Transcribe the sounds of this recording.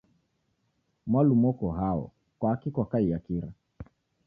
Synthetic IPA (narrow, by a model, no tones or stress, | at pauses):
mwalumɔkɔɦaɔ̰ | kwaːkikwakaijakiɾa